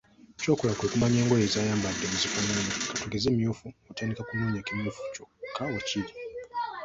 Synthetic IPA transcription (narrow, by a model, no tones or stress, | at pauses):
t͡ʃoːkulakwekumaɲeːŋɡojezaːjaːmbadːemuzifaɲanekatuɡezemijuːfuotanikakunoːɲakimjuːfu̥t͡ʃokʰːawet͡ʃiɾi